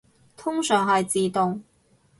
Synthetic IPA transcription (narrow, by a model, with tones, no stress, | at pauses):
t̪ʰʊ˥ŋsœː˨˩ŋɦɐ˨jt͡siː˨t̪ʊ˨ŋ